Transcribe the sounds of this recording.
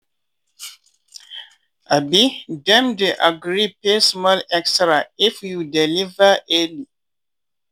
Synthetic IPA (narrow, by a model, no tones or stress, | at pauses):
ʔabidɛ̃mdeʔaɡɾipɛsmalɛkstɾaifjudɛlivaʔɛli